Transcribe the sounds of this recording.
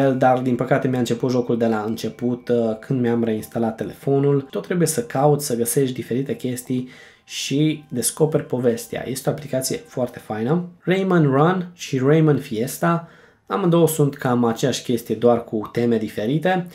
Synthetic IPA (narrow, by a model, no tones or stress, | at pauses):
eld̪ard̪inpəkat̪e̞mjaɨnt͡ʃe̞put̪ʒo̞kuld̪e̞laɨnt͡ʃe̞put̪kʰɨnd̪mjamre̞inst̪alat̪ːe̞le̞fo̞nult̪ot̪ːɾe̞buje̞səkʰaut̪sʲsəɡəse̞ʃt̪ʲd̪ife̞ɾit̪e̞kʲe̞st̪ij | ʃid̪e̞sko̞pe̞rʲpo̞ve̞st̪ea̰jʔe̞st̪eoaplikat̪sije̞foart̪e̞fajnərejmənranʃirejmənfie̞st̪a | aməd̪o̞wəsunt̪kamat͡ʃejaʃʲkʲe̞st̪ijed̪oarkut̪e̞me̞d̪ife̞ɾit̪e̞